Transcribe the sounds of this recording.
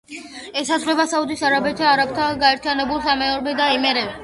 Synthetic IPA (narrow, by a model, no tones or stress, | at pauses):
ɛsazʁlɛbasaud̪isaɾabɛt̪ʰaːɾabt̪ʰaɡaɛɾt̪ʰijanɛbulˠsamɛɔɾbɛd̪aɛmɛɾɛb